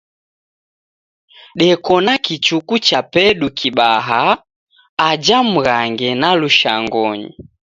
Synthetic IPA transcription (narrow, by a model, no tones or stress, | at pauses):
ɗɛkɔnakit͡ʃukut͡ʃapɛɗukʰiɓaɦaː | d͡ʒam̩ɣaŋɡɛnaluʃa̰ŋɡɔɲḭ